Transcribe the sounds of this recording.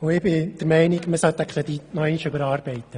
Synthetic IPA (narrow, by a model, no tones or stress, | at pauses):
ʊɪbɪd̪̥əɾmɛɪniɡməsalt̪ɛkχləd̪iːnɔɛɪnʃʏbəɾɑːɾb̥ɛɪt̪ːə